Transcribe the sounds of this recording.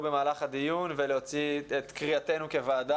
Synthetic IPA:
be̞maːlaχad̪ijunvelehot͡siet̪kʁiate̞nuke̞vaːd̪a

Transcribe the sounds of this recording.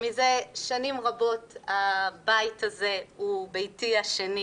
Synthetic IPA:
mize̞ʃanimʁabo̞thabajtaze̞ubejtiaʃeni

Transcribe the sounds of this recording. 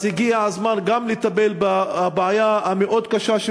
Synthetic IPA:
iɡiaʕazmanɡamlet̪abelbabeʕajaameʔo̞d̪kaʃaʃ

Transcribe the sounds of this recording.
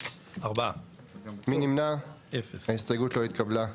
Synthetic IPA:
aʁba | minimnaefesaist̪ojɡut̪lo̞it̪̚kʰabla

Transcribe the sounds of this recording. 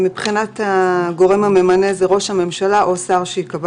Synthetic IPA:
mipχinat̪aɡo̞ʁe̞mame̞manezeʁo̞ʃhame̞mʃalaʔo̞saʁʃeikab

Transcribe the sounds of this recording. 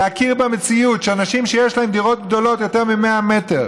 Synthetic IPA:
eakiʁbemet͡siutʃeanaʃimʃejeʃlaɦe̞md̪iʁo̞t̪̚ɡd̪o̞lo̞t̪jo̞te̞ʁmime̞ame̞te̞ʁ

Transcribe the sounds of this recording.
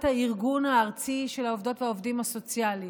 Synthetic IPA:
thaiʁɡunhaːʁt͡siʃe̞laovd̪o̞tveaovdimhaso̞t͡sjali

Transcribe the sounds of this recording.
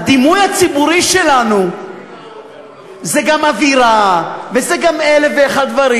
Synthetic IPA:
ad̪imujat͡sibuɾiʃelanu | zeɡamaviɾavezeɡameleveaχad̪̚d̪vaɾi

